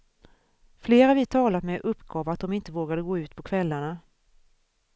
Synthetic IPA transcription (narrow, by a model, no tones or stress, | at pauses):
fleːɾavɪt̪ʰɑːlat̪mɛʔɵpːɡɑːvat̪̚d̪ɔmɪnt̪əvoːɡad̪əɡoːʉ̟ːt̪pʰɔkʰvɛlːaɳa